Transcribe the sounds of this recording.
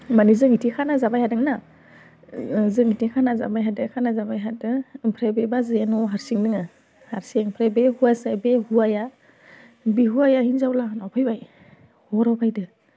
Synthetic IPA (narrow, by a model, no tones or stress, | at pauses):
manizɯŋitʰikʰanazabajhadɯŋna | zɯmitikʰanaza̰bajɦadɯkʰanazabajɦadɯpʰɾebebazɯjanɔɦaɾsiŋnɯŋɯ | haɾseŋpʰɾebehuasajbehuaja | bihuajahinzawlanɔpʰajbaj | hɔɾawpʰajdɯ